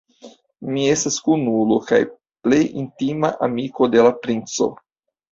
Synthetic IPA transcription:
mie̞staskunuloka̰j | ple̞jintimaʔamiko̞de̞lapɾint͡so̞̰

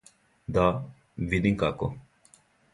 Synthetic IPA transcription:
d̪a | vid̪iŋkako

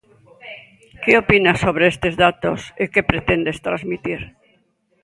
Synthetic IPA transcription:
keopinasoβɾeest̪ezðat̪o̰sekepɾet̪end̪est̪ɾazmit̪iɾ

